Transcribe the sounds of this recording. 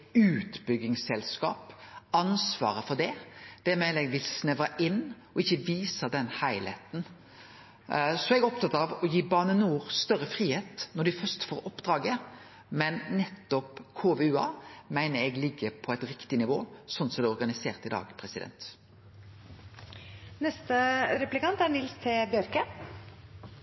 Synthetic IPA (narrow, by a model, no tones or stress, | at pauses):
ʉːt̪bʏɡɪŋsɛlskɑ̰ːpɑnsʋɑ̰ːɾəfɔd̪ɛd̪̥æːɾmɛːlɛɡʋɪlsnɛʋɑʔɪnː | ɔɪçːəʋiːsɑd̪ɛnhæɪlḛːt̪n̩ | sɔɛɡæɔp̚t̪ʰɑt̪ːɑɑʋɔjiːbɑːnənuːʁst̪œɾəfɾiːheːt̪nɔɖ̪ɪfœɾst̪foːɾɔpːd̪ɾɑːɡə | mɛnːɛt̪ːɔpkʰoːʋeʉːɑ̰ːmæɪnəɾɛɡlɪɡːəpʰɔæɪt̪ɾɪkt̪ɪnɪʋo̰ːsɔnːt̪sɔd̪ɛɔɾɡɑnɪseːʁt̪ɪd̪ɑ̰ːɡpʰʁɛsɪd̪ɛ̰nt̪ | nɛst̪əɾɛplɪkɑnt̪æɾɳɪlst̪ʰɪlbjœɾkə